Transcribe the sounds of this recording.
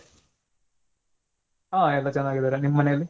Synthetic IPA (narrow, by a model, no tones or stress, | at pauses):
aːɛlːɐt͡ɕɐnd̪aːɡid̪ɐːɾanimːɐmɐnejɐlːi